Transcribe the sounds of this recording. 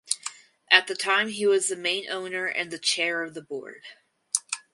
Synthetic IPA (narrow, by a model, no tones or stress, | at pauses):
ʔɨt̪̚ðɨtʰãɪ̃miwʌzðɨmẽɪ̃nʔõʊ̃nə˞ʔɨ̰̃nðɨt͡ʃʰɛɹʌvðəbɔ̰ɹd̥